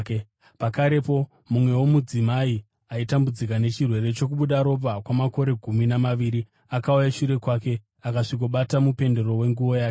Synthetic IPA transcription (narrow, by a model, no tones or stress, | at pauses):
pakaɾe̞po̞ | mumwe̞wo̞mud͡zimai | aitambud͡zik̬ane̞t͡ʃirwe̞ɾe̞t͡ʃo̞k̬uɓuɗaɾo̞p̬akwamako̞ɾe̞ɡʱuminamaʋiːɾi | akaujaʃuɾe̞kwaːke̞ | akaʂikoɓatamupe̞nde̞ɾo̞we̞ŋɡuʋo̞jaːke